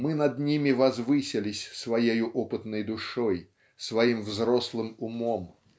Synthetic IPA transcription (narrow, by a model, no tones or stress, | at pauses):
mɨnɐd̪nʲimʲɪvɐzvɨsʲɪlʲɪsʲsvɐjejʊʔɔpɨt̪nəjd̪ʊʂoj | svɐimvzrɔslˠɨmʊmom